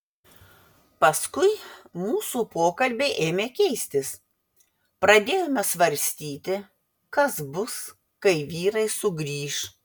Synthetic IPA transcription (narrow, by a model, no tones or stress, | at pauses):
pɐskʊɪmuːsuːpoːkɐlʲbʲeːʔeːmʲeːkʲɛɪsʲt̪ʲɪs | pɾɐd̪ʲeːjomʲɛsʋɐɾʲsʲt̪ʲiːt̪ʲɪ | kɐsbʊs | kɐɪʋʲiːɾɐɪsʊɡɾʲiːʃ